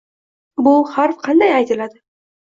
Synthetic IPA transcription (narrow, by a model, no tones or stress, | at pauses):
bʊhaɾfqʰɑnd̪ajajt̪ʰɪlad̪ɪ